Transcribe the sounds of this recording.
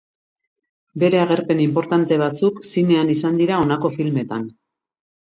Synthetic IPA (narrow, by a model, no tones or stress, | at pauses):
be̞ɾe̞aɣ̞e̞ɾpe̞nimpo̞ɾt̪ant̪e̞β̞at͡suksine̞anisand̪iɾao̞nako̞filme̞t̪an